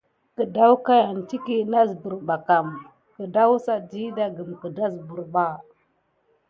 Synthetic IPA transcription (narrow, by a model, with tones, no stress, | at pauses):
kə˨da˦wka˦ja˨nti˦ki˦na˦zbu˨ɾba˨ka˨m | kə˨da˦wsa˦di˦da˦ɡə˨mkə˨da˦zbu˨ɾba˦